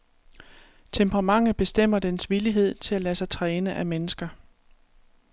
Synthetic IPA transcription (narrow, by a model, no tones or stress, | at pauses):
t͡sʰempʰəʁɑ̈mɑ̈ŋ̰əb̥e̝sd̥em̰ɐd̥ensʋiliɦe̝ð̞̰ˠt͡sʰe̝lælæsɑ̈ɪt͡sʰʁɛːnəʔæmenəsɡ̥ɐ